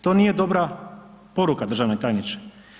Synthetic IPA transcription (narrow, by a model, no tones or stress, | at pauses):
t̪o̞ːnije̞d̪o̞bɾa | po̞ɾukad̪r̩ʒaʋnet̪aːjnit͡ʃe̥